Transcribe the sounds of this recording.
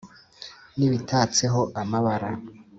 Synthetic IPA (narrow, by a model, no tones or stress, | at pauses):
niβitʰaːt͡se̞ɦo̞ʔamaβaɾa